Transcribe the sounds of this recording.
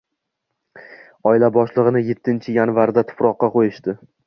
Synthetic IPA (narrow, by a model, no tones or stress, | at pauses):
ɒɪlabɒʃlˠɨʁɨnɪje̞t̪ʰːɪnt͡ʃʰɪjanvaɾd̪at̪ʰʊ̥pʰɾɒqːɑqʰojɪʃt̪ɪ